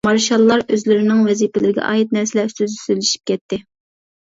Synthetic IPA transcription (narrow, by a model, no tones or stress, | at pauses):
mɑɾʃɑlˠːɑɾøzlɪɾɪnɪŋvɛzipɪlɪɾɪɡʲɛ̰ʔɑ̰ːjit̪̚nɛɾsɪlɛyst̪yzɪ̥sølɪʃi̥p̚kʲɛt̪ʰːɪ